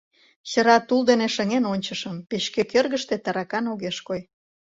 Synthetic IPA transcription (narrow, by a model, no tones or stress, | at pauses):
ɕə̆ɾɑt̪uld̪eneʃə̆ŋenonʲt͡ɕəʃəmpeɕkekørɣə̆ʃt̪et̪ɑɾɑkɑnoɣeʃkoj